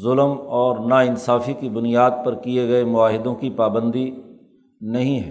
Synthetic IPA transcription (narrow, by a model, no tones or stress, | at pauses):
zʊləmɔːɾnaɪnsaːfikibʊnijaːd̪̚pɐɾkieɡɐemʊaːɦɪd̪õkipaːbə̃nd̪i | nɐɦĩɦɛː